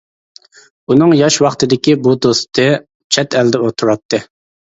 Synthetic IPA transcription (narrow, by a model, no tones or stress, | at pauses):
unɨŋjɑʃwɑχt̪ʰɨd̪ɪkʲibud̪ost̪ɨ | t͡ʃʰɛt̪ɛld̪ɛot̪ʰuɾɑt̪ʰːɨ